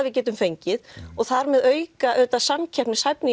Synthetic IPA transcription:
ðvɪðc̬ɛːt̪ʏmfejɲcɪðɔɣθaɾmɛðœːɥkkaʔœːt̪asamcʰɛpnɪsajpnɪ

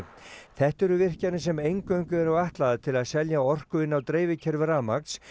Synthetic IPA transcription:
θɛht̪ɛɾʏvɪr̥canɪsɛmejŋkœɥŋkʏvɛɾʏaht̪laðat̪ʰɪlaðsɛljaɔr̥kʏɪnːawt̪ɾeːjvɪcʰɛɾvʏɾaːmak̪s

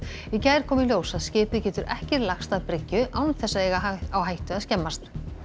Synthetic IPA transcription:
icajɾ̥kʰɔːmɪljoːwsaðscɪːpʏcɛːt̪ʏɾʔɛ̰hcɛɾlaxst̪aðpɾɪcːʏʔaːwnθɛsːaðɛɣaawɦajht̪ʏaðscɛmːast̪

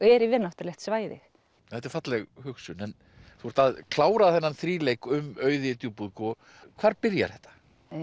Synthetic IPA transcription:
ɛɾivɪnaht̪ʏɾlɛht̪svaːjðɪ̰x | θɛt̪ɛɾ̥fat̪lɛɣhʏksʏnɛn | θust̪aðkʰlaːwɾaðθɛnːanθɾiːlejkʏmœːɥðɪt̪jupuðkɔ | kʰvaːɾpɪɾja̰ɾ̥θɛht̪ːḁ

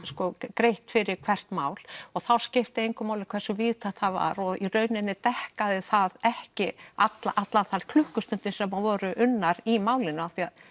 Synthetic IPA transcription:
skɔkɾejht̪fɪɾɪɾkʰv̥ɛr̥t̪maːwl̥ɔɣθawscɪft̪ɪejŋkʏmaːwlɪkʰvɛrsʏviːðt̪ʰat̪θaðva̰ɾɔɣirœːɥnɪnːɪt̪ɛhkaðɪθaðɛhcɪat̪laʔat̪lanθalkʰlʏhkʏst̪ʏnt̪ɪnsɛmːavɔːɾʏʔʏnːaɾimaːwlɪnːʏaθiað

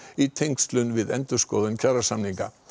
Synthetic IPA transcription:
it̪ʰejŋkst̪lʏnvɪðɛ̰nt̪ʏ̥skɔːðɪncʰaɾasamniŋka̰

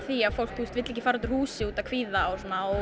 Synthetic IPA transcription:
θiafowl̥k̚t̪ust̪vɪt̪lɛhcɪfaɾɔnt̪ːɾ̥huːsɪuːt̪akʰviːðaːwsɔnaɔ

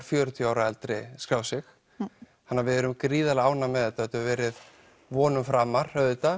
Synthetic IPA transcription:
ɾ̥fjœːɾʏt̪ʰiaːwɾaɛlt̪ɾɪskɾaːwsɪx | hanːavɪðɛɾʏmkɾiːðalaːwnamɛðɛt̪ːaɛt̪ʏɾvɛːɾɪð | vɔːnʏmfɾaːmːaɾ̥hœðɪt̪a

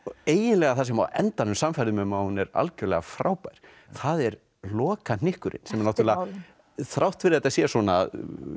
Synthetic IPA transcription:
eːjɪnlɛɣaθasɛma̰wʔɛ̰nt̪anʏmsamfɛɾðʏmɛmawhunɛɾa̰lcœɾlɛɣafɾaːwpajɾ̥ | θaðɛɾ | lɔːkanɪhkʏɾʔɪ̰nsɛmɛɾnawht̪ɾla | θɾawht̪fɪɾaɛt̪asjɛsɔːna̰

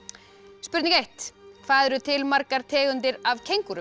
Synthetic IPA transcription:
spʏɾt̪nĩŋkejht̪kʰvaːðɛɾʏt̪ʰɪlmaɾkaɾ̥t̪ʰɛːɣʏnt̪ɪɾavcʰejŋkʏɾʏ

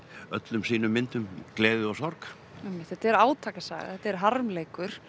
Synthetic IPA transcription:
œt̪lʏmsiːnʏmːɪnt̪ʏmklɛːðʏawsɔɾk | ɛjmːɪ̥t̪θɛt̪ɛɾaːwt̪ʰaːkasa̰ːɣa̰θɛt̪ɛɾɦaɾmleːjkʏɾ̥

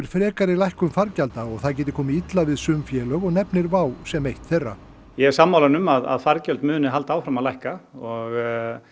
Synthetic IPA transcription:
ɪɾ̥fɾɛːkaɾɪlajhkʏmfaɾcalt̪aɔɣθaðcɛːt̪̬ɪ̥kʰɔːmɪit̪lavɪðsʏmfjɛːlœɣɔɣnɛpnɪɾvaːwsɛmejht̪θerːa̰ | jɛɛ̥samːawlanʏmaða̰ðfaɾcɛlt̪mʏːnɪɦalt̪aːwfɾamaðlajhkaɔɣ

